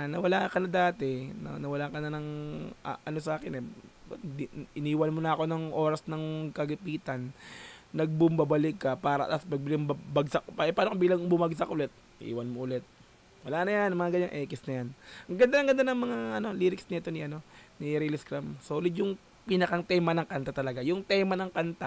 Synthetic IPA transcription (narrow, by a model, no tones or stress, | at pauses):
nɐwɐlakɐnɐd̪aːt̪ɛnɐ̰nɐwɐlakɐnɐnɐŋ | ʔɐno̞sɐʔaːkɪnɛb̪d̪iʔɪniːwɐnmonɐɐko̞nɐŋʔo̞ːɾɐsnɐŋkɐlɪpiːt̪ɐnː | ɐɡ̚bʊmbɐbɐlɪkːɐpaːɾɐʔt̪aspɐɡ̚bɪlɪŋbɐbɐɡsakpaʔɛpaːnokɐbiːlɐŋbʊmaɡs̬akʔʊlɛt̪̚ | ɪʔḭːwɐnmoʔʊlɛt̪̚ | wɐlaːnɐjanmɐŋaɡɐɲːaŋʔɛːkɪsnɐjanɐŋɡɐnd̪anɐŋɡɐnd̪anɐŋmɐŋaʔɐno̞liːɾɪksniɛt̪o̞nɪʔɐno̞niɾilɪskɾamsoːlɪd̪jʊŋ | pinɐkɐŋt̪ɛːmɐnɐŋkant̪at̪ɐlɐɡajʊŋt̪ɛːmɐnɐŋkant̪a